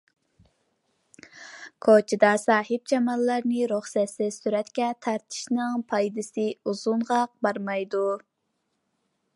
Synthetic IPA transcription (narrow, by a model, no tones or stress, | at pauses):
kʰot͡ʃʰid̪ɑsɑːɦɨp̚d͡ʒʰɑmɑlˠːɑɾnɨɾuχsɛt̪sɪsyɾɛt̪kʲɛt̪ʰɑɾt̪ʰɪ̥ʃnɨŋpʰɑjd̪ɨsɨuz̥unʁɑq̚bɑɾmɑjd̪u